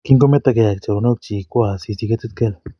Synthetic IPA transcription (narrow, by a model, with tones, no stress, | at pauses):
ki˦ŋɡo˦me˦t̪a˧ke˧ja˨k̚t͡ʃa˨o˧ne˦˧k̚t͡ʃi˧kʷa˧˨si˧si˧ke˦ti˦t̪̚ke˦˧l